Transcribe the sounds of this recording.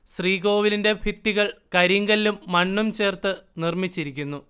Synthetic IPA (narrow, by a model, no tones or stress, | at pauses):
sriːɡo̞ːʋilinde̞bʱit̪ːiɣɐɭkɐɾiŋɡɐliːumːɐɳːumt͡ɕe̞ːrt̪ɨnirmit͡ɕːiɾikʲːunːu